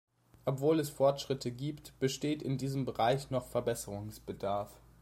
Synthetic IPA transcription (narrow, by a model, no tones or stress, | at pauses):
ʔɔpv̥oːlɛsfɔɐtʃʁ̥ɪtʰəɡiːptb̥əʃteːtɪndiːzəmbəʁaɪçnɔχfɛɐbɛsəʁʊŋsb̥ədaɐf